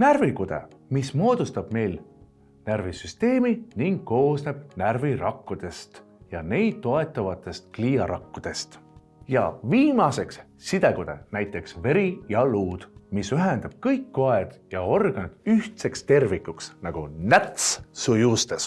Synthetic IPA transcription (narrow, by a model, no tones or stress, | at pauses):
nærvikud̪̥ḛmismo̞ːd̪ust̪ɑb̥me̞jl | nærvisyst̪e̞ːminiŋɡ̥̚ko̞ːsne̞b̥nærviɾɑkːud̪̥e̞st̪ | jɑne̞jd̪̥̚t̪ːo̞e̞t̪ːˑɑvɑt̪ːˑe̞st̪kliːɑɾɑkːud̪̥e̞st̪ | jɑ̰viːmɑse̞ks | sid̪e̞ɡ̥ud̪̥e̞̰næjt̪ːˑe̞ksve̞ɾijɑluːd̪̥misyɦend̪ɑb̥̚kɤjkːoed̪̥jɑorɡ̥ɑnid̪̥yht̪se̞kst̪e̞rvikːˑuksnɑɡ̥unæt̪ssujust̪es